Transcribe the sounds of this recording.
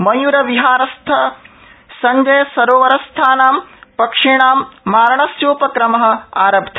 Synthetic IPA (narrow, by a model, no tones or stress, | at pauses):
mɐjuɾɐʋiɦaːɾɐst̪ʰɐ | sɐɲd͡ʒɐjɐsɐɾoːʋɐɾɐst̪ʰaːnaːmpɐkʂiɳaːmːaːɾɐɳɐst͡ʃuːpɐkɾɐmɐɦɐ̆aːɾɐbd̪ʱʰɐ